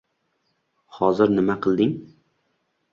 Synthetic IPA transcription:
hɒzɪɾnɪmaqʰɨlˠd̪ɪŋ

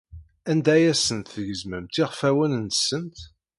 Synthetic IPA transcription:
ænd̪æjæsənt̪fəʝəzməmt̪iʁfæwənənt̪sənt̪

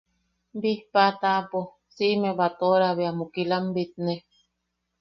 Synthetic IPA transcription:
bihpat̪apo | siʔmebat̪oɾaβeamukilambit̪̚ne

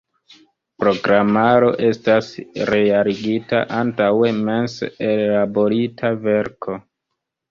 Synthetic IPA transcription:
pɾo̞ɡɾamaɾo̞ʔe̞stasɾe̞aɾiɡita̰ʔantawe̞me̞nsellabo̞ɾitʰave̞ɾkʰo̞

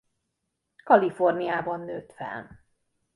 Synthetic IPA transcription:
kɒlifornijaːbɒnːøːt̪fɛ̰l

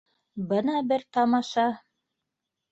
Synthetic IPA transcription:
bɤnɑbɘɾt̪ɑmɑʃɑ

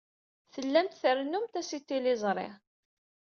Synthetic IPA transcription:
θəlːæmt̪θəɾnumt̪æsit̪ːilɪzˤɾˤɪ̰

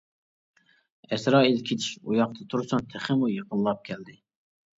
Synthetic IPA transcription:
ɛsɾɑːilkʲʰet͡ʃ̪ʰiʃṵjɑq̚t̪ʰət̪ʰuɾsɑnt̪ʰɛχɪmujəqəllˠɑp̚kʲʰɛld̪ɪ

